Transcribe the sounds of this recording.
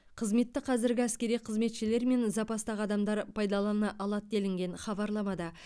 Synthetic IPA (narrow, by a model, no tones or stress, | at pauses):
qʰəzme̞t̪ːɪqʰɑzɪɾɡʲɪæskʲe̞ɾijqʰəzme̞t̪ʃɪle̞ɾme̞nzɑpɑst̪ɑʁɑd̪ɑmd̪ɑɾpʰɑjd̪ɑlˠɑnɑʔɑlˠɑt̪̚d̪e̞lɪŋɡʲe̞ɴχɑbɑɾlˠɑmɑd̪ɑ